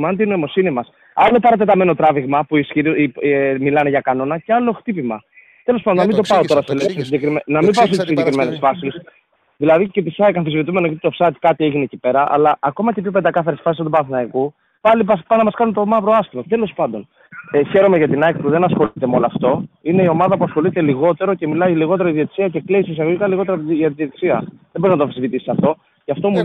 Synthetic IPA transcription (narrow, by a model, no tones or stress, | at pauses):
mɐnd̪ino̞imo̞sinimɐs | ɐlo̞pɐɾɐt̪e̞t̪ɐme̞no̞t̪ɾɐviɣmɐpuisçiɾ | milɐneʝɐkɐno̞nɐce̞ɐlo̞xt̪ipimɐ | t̪e̞lospɐnd̪onamind̪o̞pɐo̞t̪o̞ɾɐselekses̬iɟe̞kɾimenɐmibɐos̬t̪isiɲɟekɾime̞nesfɐsis | ðilɐðicepisɐkɐnθizvit̪ume̞nocɐt̪i̥t̪ofsɐt̪i̥kɐt̪ieʝinecipe̞ɾɐʔɐ̰lɐʔːko̞mɐcepçopend̪ɐkɐθɐɾesfɐs̬is̬ɐd̪ubɐnθinɐiku | pɐlipɐspɐnɐmɐskɐnunt̪o̞mɐvɾoɐsθimot̪e̞lo̞spɐnd̪o̞n | eçe̞ɾo̞me̞ʝɐt̪inɐkipuðe̞nɐsxo̞lit̪emeoloɐft̪o̞ine̞io̞mɐðɐpuɐsxo̞lit̪e̞liɣo̞t̪e̞ɾo̞ce̞milɐiliɣo̞t̪e̞ɾoiðiot̪i̥siɐce̞klisisɐɣoʝikɐliɣo̞t̪e̞ɾɐʝɐt̪iðiet̪i̥siɐðeboɾiznɐt̪ofisivit̪isi̥sɐft̪o̞ | ceɐft̪o̞mu